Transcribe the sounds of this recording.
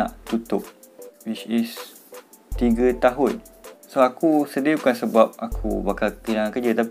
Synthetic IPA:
ã̰ʔt̪ut̪ʊp̚ | wit͡ʃis | t̪iɡət̪aɦunsoakusədiəkansəbap̚akʰṵbakalkəlaŋankəd͡ʒət̪ap

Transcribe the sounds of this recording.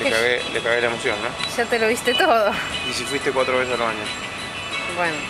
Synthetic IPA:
lekaɣelekaɣelaemosjonnoʃat̪eloβist̪et̪oðoisifwist̪ekwat̪ɾoβesesalβaɲa | bweno

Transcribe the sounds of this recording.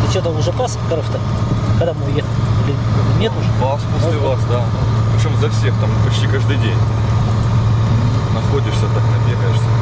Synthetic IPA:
ɨt͡ɕot̪əʊʐɛpaspkɐɾoft̪ə | kɐɡd̪amɨjexəlʲilʲɪnʲet̪uʐpasposʲlʲɪvasd̪a | pɾʲɪt͡ɕomzɐfsʲext̪ampɐt͡ɕtʲikaʐd̪ɨjdʲenʲ | nɐxodʲɪʂsʲət̪aknɐvʲeɾʲaʂə

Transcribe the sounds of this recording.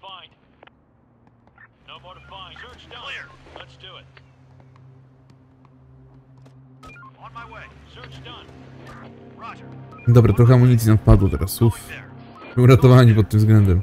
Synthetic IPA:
lɛtdt | we | d̪ɔbɾat̪ɾɔxɛamɔɲit̪sinafpad̪wɔt̪ɛ̰ɾʔasuf | uɾat̪ɔvaɲipɔt̪ːɘmzɡlɛnd̪ɛm

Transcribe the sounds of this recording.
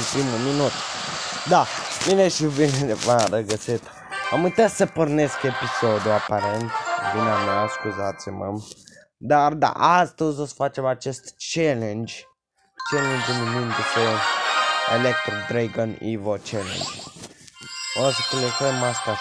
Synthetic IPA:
npɾimulminut̪d̪amineʃivined̪efaɾəɡəsit̪ | a̰mujt̪asəporne̞skepisod̪uapaɾent̪vinamjaskuzat̪sʲimə̰m | d̪ard̪a̰ʔast̪əzʲosə̥fat͡ʃe̞mat͡ʃest̪t͡ʃelend͡ʒʲ | t͡ʃelend͡ʒumimind̪ese | ḛlek̚t̪ɾod̪ɾeɡonḭvot͡ʃelḛnd͡ʒ | osəkulesemast̪a

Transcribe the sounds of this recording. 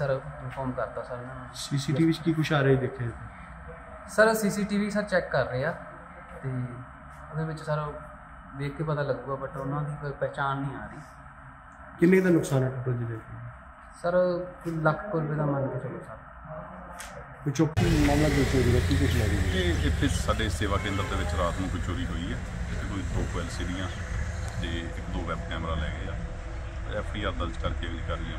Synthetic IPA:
səɾɪpʰɔːmkəɾt̪aːsəɾ | siːsiːʈiːʋiːt͡ʃkiːkʊt͡ʃʰaːɾeːid̪eːkʰːeːt̪eː | səɾsiːsiːʈiːʋiːsəɾt͡ʃɛːkːəɾːeːaː | t̪eː | od̪eːʋɪt͡ʃsəɾ | ʋeːkʰeːpət̪aːləɡːuːɡaːbəʈʊnãːd̪iːkoipɛːt͡ʃaːnɦĩːaːɾiː | kɪnẽːd̪aːnʊksaːnaːt̪od͡ʒed̪eːkeː | səɾləkʰkʊɾbeːd̪aːmənkət͡ʃokːsaːk̪ː | kʊt͡ʃokːãːmlãːkʊt͡ʃoːɾiːɛːkiːkɪt͡ʃʰlɛːɡieːeːpʰɪɾsaːɖeːseːʋaːkẽːnd̪əɾd̪eːʋɪt͡ʃɾaːt̪nũːkʊt͡ʃoːɾiːɦoːiːɛː | d͡ʒɪt̪ʰeːt̪oːɪd̪oːkʋɛːlseːɾijãː | t̪eːɪkd̪oːʋɛːbkɛːmɾaːlɛ̰ːɡeːaː | ɛːpʰɖiːaːɾd̪əlt͡ʃkəɾkeːəɡliːkəɾːɪjãː

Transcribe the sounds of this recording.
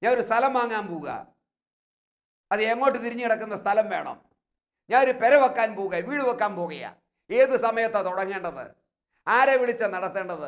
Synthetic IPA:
ɲaːnoɾust̪ʰɐlɐmʋaːŋːaːnpoːɣuɣɐ̰ | ɐðɨeŋːo̞ːʈːɨt̪iɾiɲːɨkiɽɐkːunːɐst̪ʰɐlɐmʋe̞ːɳɐ̰m | ɲaːnoɾupeɾɐʋɐkːaːnpoːɣuɣɐʋiːɽɨʋɐkːaːnpoːɣɐjɐ̰ | e̞ːðɨsɐmɐjɐt̪ːet̪uɽɐŋːe̞ːɳɖɐðɨ̰ | aːɾeʋiɭit͡ɕːɐnɐɽɐt̪ːe̞ːɳɖɐðɨ

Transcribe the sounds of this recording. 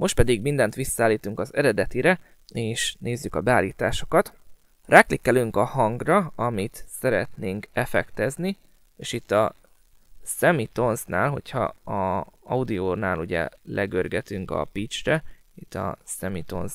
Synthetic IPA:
mʔo̞ʃt̪pɛd̪iɡmind̪ɛnt̪ʋisːɒaːlːiːt̪uŋkɒzɛɾɛd̪ɛt̪iɾɛ | eːʃneːzːykɒbɛaːlːiːt̪a̰ːʃo̞̥kɒt̪ | rʔaːklikːɛløːŋkɒhɒŋɡrɒɒmit̪sɛɾɛt̪neːŋkɛfɛkt̪ɛzni | eːʃit̪ːɒ | sɛmit̪o̞nznaːlɦo̞̰cʰhɒ̰ɒɒud̪ioːnaːluɟɛ̰lʔɛɡørɡɛt̪yŋkɒ̰pit͡ʃrɛit̪ːɒ̰sɛmit̪o̞̰nz

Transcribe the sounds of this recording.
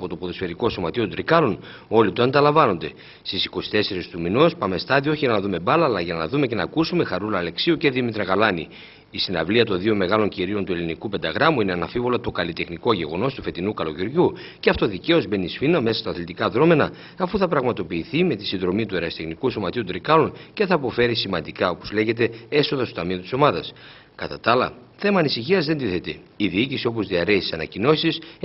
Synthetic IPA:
po̞t̪o̞poðosfe̞ɾiko̞so̞mɐt̪iot̪d̪ɾikɐlo̞n | o̞lit̪oɐnd̪ɐlɐɱvɐno̞nd̪e̞ | st̪isiko̞si̥t̪e̞se̞ɾist̪uminospɐme̞st̪ɐðioo̞çiʝɐnɐðume̞bɐlɐːlɐʝɐnɐ̰ðume̞ce̞nɐ̰kusume̞xɐɾulɐːle̞ksiuce̞ðimit̪ɾɐɣɐlɐnḭː | sinɐ̰vliɐt̪o̞nðio̞me̞ɣɐlo̞ɲciɾiont̪ue̞linikupe̞nd̪ɐɣɾɐmuineɐnɐfivo̞lɐt̪o̞kɐlit̪e̞xniko̞ʝe̞ɣo̞no̞st̪u̥fe̞t̪inukɐlo̞ciɾʝu | ceɐft̪o̞ðice̞o̞zbe̞nisfinɐme̞sɐst̪ɐːθlit̪ikɐðɾo̞me̞nɐː | fuθɐpɾɐɣmɐt̪o̞piːθime̞t̪isinðɾo̞mit̪ue̞ɾɐst̪exnikuso̞mɐt̪iut̪ɾikɐlonce̞θɐːpo̞fe̞ɾisimɐnd̪ikɐo̞po̞zle̞ʝe̞t̪e̞e̞so̞ðɐst̪ot̪ɐmiot̪i̥so̞mɐðɐs | kɐt̪ɐt̪ɐlɐ̰θe̞mɐːnisiçiɐzðend̪iθe̞t̪e̞iðiicisio̞p̬o̞zðiɐɾeisi̥sɐnɐ̰cino̞sis

